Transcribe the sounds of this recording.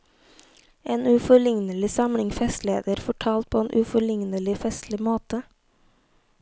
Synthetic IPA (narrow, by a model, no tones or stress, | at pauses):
ʔeːnʉfɔɭɪŋnəlɪsɑmɽɪŋfɛst̪lḛːd̪əɾfɔʈʰɑːlt̪̚pʰoːeːnʔʉfɔɭɪŋnəlɪfɛst̪lɪmoːt̪ə